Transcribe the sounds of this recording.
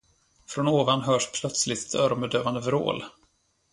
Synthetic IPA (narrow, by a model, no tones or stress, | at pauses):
fɾɔnoːvanɦœːʂpʰlœt̪slɪt̪ɛt̪ʰœːɾɔmbɛd̪øːvand̪əvɾo̰ːl